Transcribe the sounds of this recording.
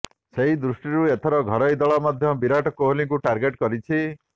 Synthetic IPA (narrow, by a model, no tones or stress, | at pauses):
seɦid̪ɾusʈiɾuet̪ʰɔɾɔɡʱɔɾɔjd̪ɔɭɔmad̪ʱjɔbiɾaʈɔkoɦoliŋkuʈaɾɡeʈkɔɾit͡ʃʰi